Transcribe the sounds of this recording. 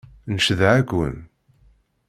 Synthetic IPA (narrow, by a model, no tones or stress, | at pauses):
nəʃðʕækːə̰n